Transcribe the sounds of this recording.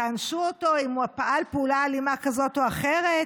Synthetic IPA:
anʃuoto̞imuapaʔalpeulaːlimakazo̞toaχe̞ʁet

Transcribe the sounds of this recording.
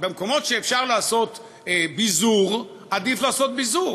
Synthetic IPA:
bemko̞mo̞tʃeːfʃaʁlaːso̞t̪ | bizuʁ | ad̪iflaːso̞t̪̚bizuʁ

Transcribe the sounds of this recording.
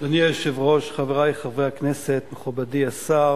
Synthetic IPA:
danielʃevʁo̞ʃχaveʁajχavehakneset̪meχubadiasaʁ

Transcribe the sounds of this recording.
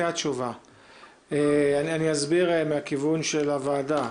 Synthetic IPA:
att͡ʃuva | eanianiazbiʁemeakivunʃelavaːda

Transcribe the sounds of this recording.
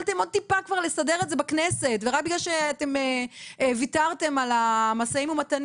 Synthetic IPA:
lte̞mo̞d̚t̪ipakvaʁle̞sade̞ʁezebaknese̞tveʁak̚biɡlalʃeatemevitaʁte̞malamasaimumatan

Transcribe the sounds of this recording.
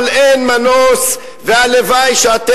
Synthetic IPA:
lenmanos | vealevajʃeat̪e

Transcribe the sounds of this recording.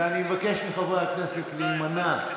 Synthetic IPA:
animevake̞ʃmiχavaakneset̪lemana

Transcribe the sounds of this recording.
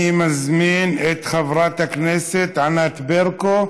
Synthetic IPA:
imazmiːnʔɪt̪xavɾˤɑːt̪akneːsɪt̪ʕanat̪beɾko

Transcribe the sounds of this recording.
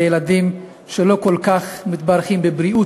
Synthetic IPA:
jeladim | ʃelo̞ko̞lkaχmit̪baʁχimbebɾiʔu

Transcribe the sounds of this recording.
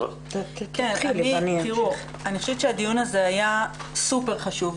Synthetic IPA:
tkenianintiʁu | aniχoʃɛvett͡ʃʃeadijunaze̞ajasupe̞ʁχaʃuv

